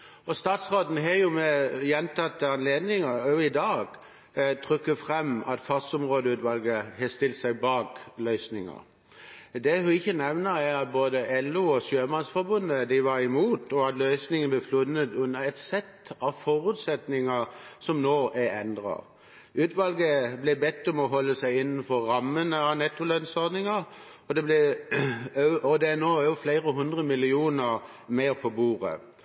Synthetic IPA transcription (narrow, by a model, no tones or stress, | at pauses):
ɔst̪ɑːt̪sʁoːd̪n̩ɦɛjʊmɛjɛnt̪ʰɑt̪ːəɑnleːd̪nɪŋəɔɪd̪ɑːɡ̥ | t̪ʰʁʏkːəfʁɛmɑt̪fɑsɔmʁoːd̪əʉːt̪ʋɑlɡəɦɛst̪ɪlt̪sæɪbɑːklœʏsnɪŋə̰ | d̪ɛhʉɪçːənɛʋnəɾæɾɑt̪̚boːd̪əʔɛlːʉɔsjøːmɑnsfɔbʉnːəd̪ɪʋɑɾɪmuːt̪ɔɑt̪lœʏsnɪŋənblɛflʊnːət̪ʉnːəɾɛt̪sɛt̪ːɑʋfɔɾʉt̪sɛt̪nɪŋɑsɔmnoːʔæɾɛnd̪ʁɑ̰ | ʉːt̪ʋɑlɡəblɪbɛt̪ːɔmɔɦɔlːəsæɪɪnːn̩fɔːɑmːənəɑʋnɛt̪ːʊlœnsɔɾd̪nɪŋɑ | ɔd̪ɛblɪ | ʔɔd̪ɛænoːjʊflæɪɾəɦʉnd̪ʁəmɪlɪuːnə | meːɾpʰɔbuːʁə̰